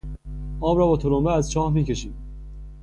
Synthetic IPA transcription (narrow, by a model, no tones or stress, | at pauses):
ʔɒːmɾɒːbɒːt̪ʰolomeæzt͡ʃʰɒːhmiːce̞ʃiːd̪̥